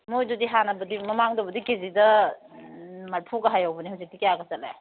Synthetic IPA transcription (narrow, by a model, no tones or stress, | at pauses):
mojdudiɦanɐbɐdimɐmaŋdobɐdikezidɐ | maɾpʰuɡɐɦajawbɐnihuwzik̚dikejaɡɐsɐtla̰j